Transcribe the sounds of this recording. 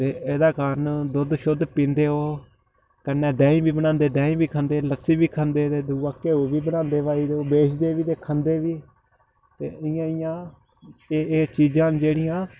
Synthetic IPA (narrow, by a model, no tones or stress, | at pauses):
t̪eːeːd̪aːkaːɾənd̪ʊd̪ʃʊd̪pĩːnd̪eːɦoː | kənːɛːɖɛːĩːbiːbənãːnd̪eːɖɛːĩːbiːkʰə̃nd̪eːləsiːbiːkʰə̃nd̪eːt̪eːd̪uːʋaːkeːoːʋiːbənãːnd̪eːʋaːiːd̪eːoːbeːt͡ʃʰd̪eːʋiːd̪eːkʰə̃nd̪eːʋiː | t̪ḛːɪjãːɪjãː | eːeːt͡ʃiːd͡ʒãːnd͡ʒeːɽɪjãː